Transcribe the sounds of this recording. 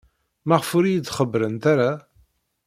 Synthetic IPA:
mæʁəfʊɾijət͡sːχəbɾənt̪aɾa

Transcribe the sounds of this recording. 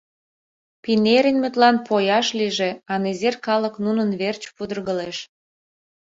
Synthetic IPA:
pineɾʲə̆nʲmøt̪lɑnpojɑʃliʒe̽ɑnezerkɑləknunənβert͡ɕpud̪ərɣəleʃ

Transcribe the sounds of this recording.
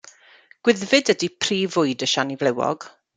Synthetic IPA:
ɡ̥wɪðvɪdədipʰriːvʊɨdəʃanivlɛwɔ̰ɡ̥

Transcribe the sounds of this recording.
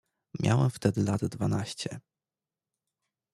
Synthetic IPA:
mʲja̰wɛmft̪ɛd̪ɘlad̪d̪vanaɕt͡ɕɛ

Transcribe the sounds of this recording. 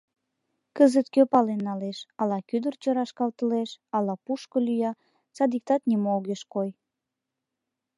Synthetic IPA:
kəzət̪køpɑlenːɑleʃɑlɑkyd̪ərt͡ɕoɾɑʃkɑlt̪əleʃɑlɑpuʃkəlyjɑ | t͡sɑd̪ik̚t̪ɑt̪nimooɣeʃkoj

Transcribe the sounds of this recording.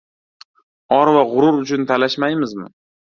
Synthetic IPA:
ɒɾvaʁʊɾʊɾʊt͡ʃʰʊnt̪ʰalaʃmajmɪzmɪ̰

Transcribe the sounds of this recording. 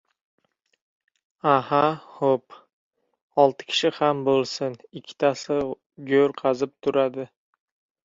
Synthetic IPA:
ahaχop | ɒlˠt̪ʰɪ̥kʲʰɪ̥ʃɪhambolˠsɪnɪkʲʰːɪ̥t̪ʰasɪ | ɡʲɵɾqʰɑzɪp̚t̪ʰʊɾad̪ɪ

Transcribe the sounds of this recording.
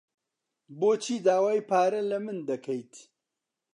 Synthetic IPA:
boːt͡ʃʰiːd̪aːwaːjpʰaːɾɐlɐmɨnd̪ɐkʰɐjt̪

